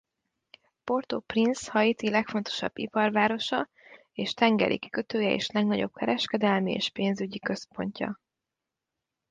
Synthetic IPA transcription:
po̞rt̪oprinshɒjit̪ilɛkfo̞nt̪o̞̥ʃɒ̰bːḭpɒrvaːɾo̞ʃɒ | eːʃt̪ɛŋɡɛ̰ɾʔḭkːøt̪øːjɛḛːʃlɛɡnɒɟo̞̰b̚kɛɾɛʃkɛd̪ɛlmiḛːʃpeːnzyɟikø̞spo̞̰ɲcɒ̰

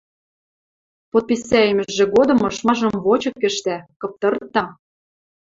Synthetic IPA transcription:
pot̪̚pʲisæjɘ̆mɘ̆ʒĕɡod̪ɤ̆mɤ̆ʃmɑʒɤ̆mvot͡ɕɤ̆kːɘ̆ʃt̪ækɤ̆p̚t̪ɤ̆rt̪ːɑ

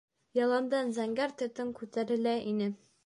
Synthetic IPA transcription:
jɒlˠɑnd̪ɑnzæŋɡæɾt̪ɘ̆t̪ɘŋkʉt̪æɾɘ̆læʔinɘ

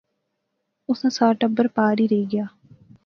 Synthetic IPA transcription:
ʊsãːsaːʈə̃mbəɾpaːɾiːɾeiːɡɪjaː

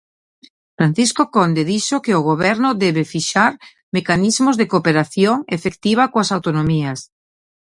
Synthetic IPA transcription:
fɾan̟θiskokond̪eðiʃokeoɣoβɛɾnʊðɛβefiʃaɾ | mekanizmʊzðekopeɾaθjoŋefekt̪iβ̞akoasawt̪onomiɐs

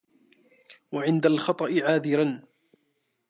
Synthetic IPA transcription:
waʕɪnd̪alxɑt̪ˤɑʔɪʕaːðɪɾan

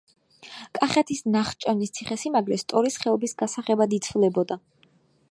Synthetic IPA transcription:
kʼaχɛt̪ʰisnaχt͡ʃʼɔnist̪sʰiχɛsimaɡɾɛst̪ʼɔɾisχɛɔbisɡasaχɛbad̪it̪sʰvlɛbɔd̪a

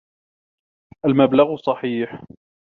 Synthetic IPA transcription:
ʔalmablaɣsˤɑħiːħ

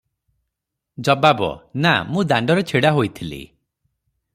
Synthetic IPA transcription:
d͡ʒɔbabɔ̰namũd̪aɳɖɔɾet͡ʃʰiɽaɦojt̪ʰilḭ

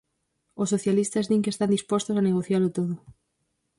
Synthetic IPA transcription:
osːoθjalist̪ɐzðiŋkest̪and̪ispost̪osaneɣ̞oθjalʊt̪oðʊ

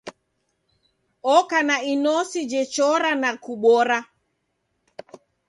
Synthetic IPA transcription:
ɔkanainɔsid͡ʒɛt͡ʃɔɾanakuɓɔɾa

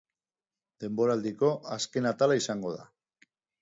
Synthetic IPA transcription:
d̪̥e̞mbo̞ɾald̪iko̞aske̞nat̪alaisaŋɡo̞ð̞a̰

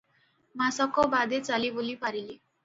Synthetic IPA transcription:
masʌkobad̪et͡salibulipaɾili

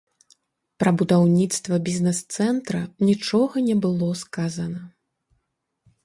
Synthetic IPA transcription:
pɾɐbud̪awnʲit̪st̪vɐbʲiznɛst̪sɛnt̪ɾɐnʲit͡ʂɔɣɐnʲɛbɨlˠɔskazɐnɐ

